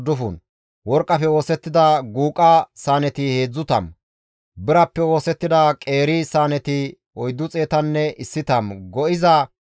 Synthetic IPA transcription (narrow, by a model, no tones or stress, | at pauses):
d̪ʊfun | wɔɾkʼːɐfɛwo̞ːsɛt̪ːɪd̪ɐɡuːkʼːasaːnɛt̪ɪhe̞ːd͡zːʊt̪ɐ̰m | bɪɾɐpːɛwo̞ːsɛt̪ːɪd̪ɐkʼe̞ːɾisaːnɛt̪ɪ | ɔjd̪ːʊt͡sʼe̞ːt̪ɐnːɛɪsːɪt̪ɐmɡɔʔɪzɐ